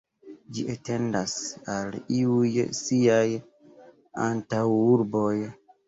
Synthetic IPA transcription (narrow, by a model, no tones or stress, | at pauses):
d͡ʒiate̞ndasaliujsiaj | a̰ntawuɾbo̞j